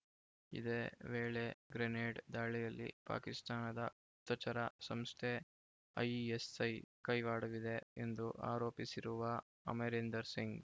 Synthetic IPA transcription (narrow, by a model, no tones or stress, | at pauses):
ḭd̪eːʋeːɭe̞ɡɾeneːɖd̪aːɭijɐlːḭpa̰ːkist̪aːnɐd̪ɐ | ut̪ːɐt͡ʃɐɾɐsɐmst̪ʰe | ɐ̰jesɐjkɐjʋaːɽuʋid̪e̞end̪uʔa̰ːɾo̞ːpisiɾuʋɐ | ɐ̰meɾend̪ɐɾsiŋɡ